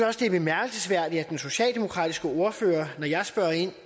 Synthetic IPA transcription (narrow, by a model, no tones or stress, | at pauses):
ɒsd̥e̝æb̥e̝mæɐɡ̥əl̩səsʋæɐ̰d̥iæd̥enso̝ɕɛ̰ːlde̝mo̝kʰʁɑ̰ːd̥isɡ̥əo̝ɐfø̰ːɐnɒjɑ̈ɪsb̥ɶɐ̰e̝n̰